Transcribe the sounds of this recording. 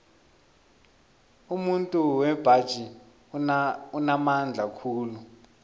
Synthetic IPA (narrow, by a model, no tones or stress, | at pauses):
umuntʼuwɛb̥ʱad̥ʒ̥ʱi | unamand͡ɮʱakʰuːlu